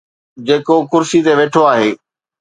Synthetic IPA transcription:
d͡ʑeːkokʊɾsit̪eʋeːʈʰoaːɦeː

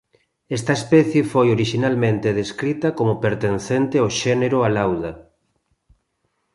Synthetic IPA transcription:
ɛst̪ɐespɛθjefojoɾiʃinalmẽnt̪eðeskɾit̪ɐkomʊpeɾt̪enθent̪ɪaoʃɛneɾʊalawðɐ

